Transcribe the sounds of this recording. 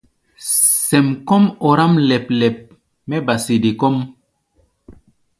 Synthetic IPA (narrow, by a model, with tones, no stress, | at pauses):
sɛ˨mkɔ˦mɔ˨ɾa˦mlɛ˨p̚lɛ˨p̚ | mɛ˦ba˨si˨de˨kɔ˦m